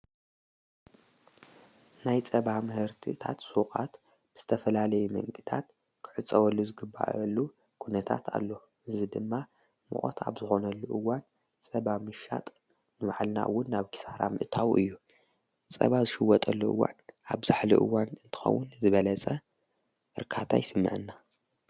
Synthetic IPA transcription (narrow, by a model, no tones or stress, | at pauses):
najt͡sʼɐβamɨhɨɾt̪ʰḭt̪ʰa̰t̪sukʼat̪ | bɨz̥ɨt̪ʰɐfɐlalɐjumɐ̰ŋɡɨt̪ʰa̰t̪ | kʰɨ̥ʕɨt͡sʼɐwɐlːuzɨɡɨbːa̰ʔɐlːu | kʰunɐt̪ʰa̰t̪ʰa̰lːo̞ | ʔɨzɨd̪ɨmːa | mɨ̰ʔʼo̰t̪ʰa̰βzɨxo̞nɐlːuʔɨwan | t͡sʼɐβamɨʃa̰t̪ʼ | nɨβaʕlna̰ʔɨ̰wːʊnːaβkɨ̥saɾa̰mɨ̰ʔt̪ʰawʔɨjːu | t͡sʼɐ̰βazɨʃɨwːɔt̪ʼɐlːuʔɨ̰wːa̰nʔaβzaħlḭʔɨ̰wanɨnt̪ʰɨ̥xɐ̰wːʊnzɨβɐlɐt͡sʼɐ | ʔɨɾkʰat̪ʰa̰jsɨmːɨ̰ʕɨnːa